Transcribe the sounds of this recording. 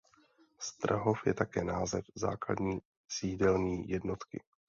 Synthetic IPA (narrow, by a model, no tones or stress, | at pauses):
st̪ɾa̰ɦo̞fjɛt̪akɛːnaːzɛfza̰ːkla̰dɲiː | siːdɛlniːjɛdno̞t̪kɪ̰